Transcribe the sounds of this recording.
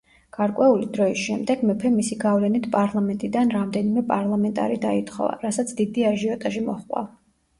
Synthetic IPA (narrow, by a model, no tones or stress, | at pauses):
ɡ̥aɾkʼwɛulid̪ɾɔisʃɛmd̪ɛɡmɛpʰɛmisiɡavlɛnit̪ʰpʼaɾlˠamɛnt̪ʼid̪anɾamd̪ɛnimɛpʼaɾlˠamɛnt̪ʼa̰ɾid̪ait̪ʰʼχɔ̰va̰ɾasat̪sʰd̪id̪iaʒiɔt̪ʼaʒimɔχʼwa̰v